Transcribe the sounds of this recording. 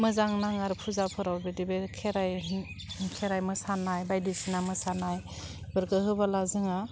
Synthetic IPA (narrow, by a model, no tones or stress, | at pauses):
mɯzaŋnaŋaɾpʰuzapʰɯɾawbedibekʰeɾaj | kʰeɾajmɯsanajbajdisinamɯsanaj | bɯɾkɯhɯbalazɯŋa